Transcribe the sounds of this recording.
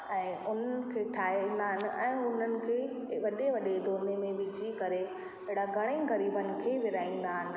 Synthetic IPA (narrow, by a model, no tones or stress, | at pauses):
ɛ̃ːʊn̤ənɪ̆kʰeːʈʰaːɦn̆d̪aːɦɪnɪ̆ʔɛ̃ːʊn̤ənɪ̆kʰeːʋɐɗeʋɐɗed̪ʱoːnemẽbɪd͡ʑiːkɐɾe | ɐɦɪɽaɡɐɽ̃ẽːɣɐɾiːbənɪ̆kʰeːʋɪɾaːĩːn̆d̪aːɦɪnɪ̆